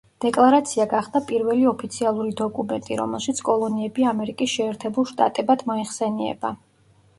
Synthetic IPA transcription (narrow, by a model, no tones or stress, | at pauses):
d̪̥ɛkʼlˠaɾat̪sʰiaɡaχd̪apʼiɾvɛliɔpʰit̪sʰialˠuɾid̪ɔkʼumɛnt̪ʼḭɾɔ̰mɛ̰lˠʃit̪sʰkʼɔlˠɔniɛbiamɛɾikʼisʃɛːɾt̪ʰɛbulˠʃt̪ʼa̰t̪ʼɛbad̪̥mɔiχsɛniɛ̰ba̰